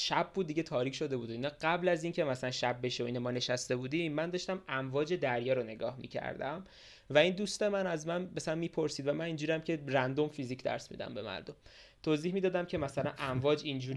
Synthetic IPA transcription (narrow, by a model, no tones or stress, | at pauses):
ʃæb̚buːd̪̚ːiɟe̞t̪ʰɒːɾiːcʰʃo̞d̪e̞buːd̪inɒɢæblæzincʰe̞mæsælænʃæb̚ːe̞ʃeoiːnemɒːne̞ʃæst̪e̞buːd̪imːænd̪ɒːʃt̪æmæmvɒːd͡ʒe̞d̪æɾjɒːɾone̞ɡɒːhmḭːcʰæ̰ɾd̪æ̰m | væind̪ust̪e̞mænæzmænmæsælænmiːpʰo̞ɾsiːd̪væmænind͡ʒuːɾiæmcʰerænd̪o̞mfizicʰd̪æ̰ɾsmḭd̪æ̰mbe̞̰mæ̰ɾd̪om | t̪ʰoːziːhmiːd̪ɒːd̪æmcʰe̞mæsælænʔæɱvɒːd͡ʒind͡ʒuːɾ